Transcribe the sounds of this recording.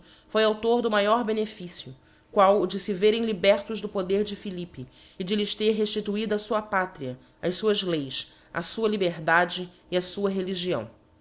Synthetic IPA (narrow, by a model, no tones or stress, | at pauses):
fojawt̪oɾd̪ʊmajɔɾbenefisiʊ | kwawʊd͡ʒɪsɪveɾẽj̃libɛɾt̪ʊʒd̪ʊpod̪eɾd͡ʒɪfilipɪː | d͡ʒɪlɪʃt̪eɾɦeʃt͡ʃit̪uid̪ɐsuɐpat̪ɾiɐ | ɐjʃsuɐzlejʃ | ɐ̰suɐlibeɾd̪ad͡ʒɪː | ɐsuɐɦeliʒiɐ̰̃w̃